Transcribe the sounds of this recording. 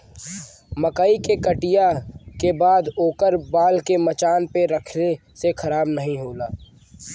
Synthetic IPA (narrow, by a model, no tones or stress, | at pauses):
mɐkaːikekəʈijakebaːd̪oːkəɾbaːlkemɐt͡ʃaːnpeɾɐkʰnesexʰɐɾaːbnɐɦĩɦoːlaː